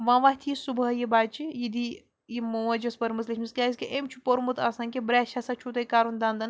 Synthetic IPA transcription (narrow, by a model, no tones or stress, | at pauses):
ʋãːʋaɦʲt̪ʰijisubɦɐjibaːt͡ʃijid̪i | jimuʋɐd͡ʒɐspɐɾmɐzlɐʃʰʲmiskʲaːjis̬ʲkʲiʔemt͡ʃʰupoɾmut̪ʰɐ̰ːsanʲkʲebɾɛːʃɐsɐt͡ʃʰut̪ɐjkaːɾund̪ɐnd̪ɐn